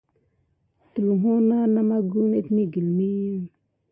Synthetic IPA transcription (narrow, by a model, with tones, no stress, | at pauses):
t̪u˨lɦo˦na˦na˦ma˦ɡu˦ne˦t̪mi˦ɡi˨lmi˦